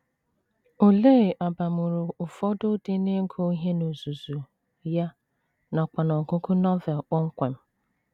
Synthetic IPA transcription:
o˨le˦˨ʔa˨ba˨mʊ˨ɾʊ˨ʊ˨fɔ˦dʊ˦dɪ˦ne˦ŋ̩˦kʰo˦i˦ɦe˦no˨zu˨zu˨ | ja˦ | na˨k͡pa˨nɔ˨kʊ˦kʊ˦nɔ˦vɛ˨lk͡pɔ˦ŋ̩˦kʷe˨m̩˦

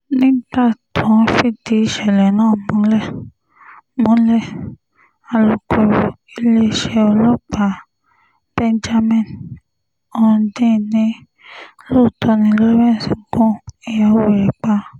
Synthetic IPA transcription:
nĩ˦ta˦˨tʰɔ̃˨˦fi˦˨ti˧˦i˧ʃɛ˨lɛ˨nãː˦˨mõ˨˦lɛ˦˨ | mõ˨˦lɛ˦˨ | a˧lɔ˧kʰɔ˧ɾi˧le˦˧˨ʃɛ˧ɔ˧lɔ˦˨k͡pa˨˦ | b̥ɛ˦nd͡ʒa˦mɛ̃˨n | ɔ˧˦dĩ˦˨nĩ˨˦ | lo˦˨tʰɔ˧nĩ˧˦˧lɛ˦ɾɛ̃˦˨si˨˦ɡõ˦i˧˨ja˧wo˨ɾɛ˨k͡pa˧˦

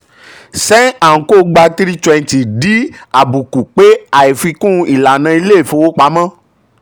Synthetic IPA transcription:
sɛ̃˦a˨ŋ̩˨ko˦˨ɡ͡ba˧t̪i˦ɾi˦t͡ʃɔ˦ɛ˧n˨ti˨ɖi˦a˨bu˨ku˨k͡pe˦a˨je˨fi˧kũ˦i˨la˨nã˧i˧le˦e˨fo˨wo˦k͡pa˨˦mã˦

